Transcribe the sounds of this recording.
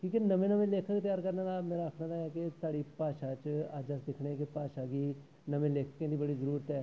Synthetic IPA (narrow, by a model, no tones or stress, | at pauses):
kiːkenɐmẽnəmẽleːkʰəkt̪ɐjaːɾkɐɾnakameːɾaəkʰnad̪aɛkesaːɽipaːʃat͡ʃaːd͡ʒəsd̪ɪkʰɽekepaːʃaki | nɐmẽleːkʰkːẽd̪ibɐɽizəɾuːɾət̪ɦɛː